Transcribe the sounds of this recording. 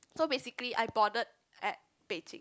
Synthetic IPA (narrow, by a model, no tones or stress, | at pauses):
sobesikliʔa̰jbɔdət̚ | ɛt̚ | b̥ed͡ʒɪ̰̃ŋ